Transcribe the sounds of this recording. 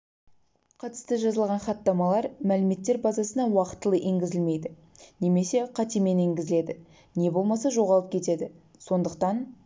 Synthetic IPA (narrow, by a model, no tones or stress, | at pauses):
qʰɑt̪ə̥st̪əʒɑzəlˠʁɑnχɑt̪ːɑmɑlˠɑɾmælɪme̞t̪ːe̞ɾbɑzɑsənɑwɑqə̥t̪ːəlˠəʔe̞ŋɡʲɪzɪlme̞jd̪ɪ | ne̞me̞se̞qʰɑt̪eme̞ne̞ŋɡʲɪzɪle̞d̪ɪ | ne̞bo̞lˠmɑsɑʒo̞ʁɑlˠəp̚kʲʰe̞t̪e̞d̪ɪ | so̞nd̪əq̚t̪ɑn